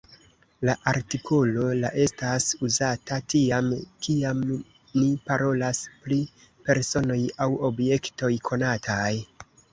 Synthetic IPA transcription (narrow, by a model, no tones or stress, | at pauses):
laʔaɾtikʰo̞lo̞laʔe̞stasuzatatiamkiam | nipaɾo̞laspɾi | pe̞ɾso̞no̞jawo̞bje̞kto̞jkʰo̞natʰaj